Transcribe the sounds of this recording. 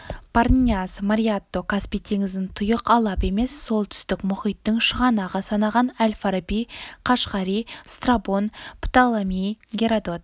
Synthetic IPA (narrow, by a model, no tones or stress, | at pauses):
pʰarnʲiasmaɾiat̪ːo̞kʰaspijt̪ʰe̞ŋɪzɪnt̪ʰʊjəqɑlˠɑpe̞me̞sːo̞lˠt̪ʰʏ̥st̪ɪkmʊχijt̪ːɪŋʃəʁɑnɑʁɑsɑnɑʁɑnælʲfaɾbiqʰɑʃqɑɾist̪rabo̞npʰt̪alˠamijɡʲeɾad̪o̞t̪̚